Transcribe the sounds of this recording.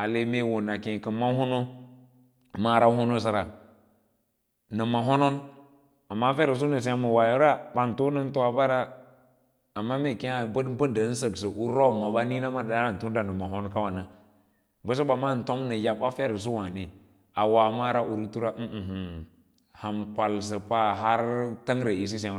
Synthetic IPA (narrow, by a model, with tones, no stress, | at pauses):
a˨le˨me˦˨wo˨na˨kẽ˨kə˨mːa˦hu˦no˦ | ma˦˨ɾa˦ho˦no˦sa˨ɾa˨ | nə˨ma˨ɦo˦no˦n | a˨mːa˦fe˦ɾi˨s̬u˦nə˨s̬i˦a˦mə˨wa˨jo˦ɾa˦ɓa˨n˨to˦nə˦n˦to˦a˨ba˦ɾa˦ | a˨mːa˦me˨ke˦a˨bə˦dbə˦ndə˨˦n̩˦sə˨ksə˨ʔu˦ɾo˦˨mːa˨ɓa˦ni˦na˦ma˦˨a˦a˦˨n˨tu˦da˨nə˨ma˨ɦo˦nka˦wa˨na˨ | bə˦s̬o˦ba˨ma˦˨n̩˨to˦mnə˨ja˨ba˦fe˦ɾə˨s̬u˦wa˨ne˨ | a˨wa˨ma˦ɾa˦ʔu˨ɾtu˦ɾa˦˨h̩˨ | ha˨mpa˨lsə˨pa˦ɦa˦ɾta˦ŋɾe˨i˨s̬i˦sa˦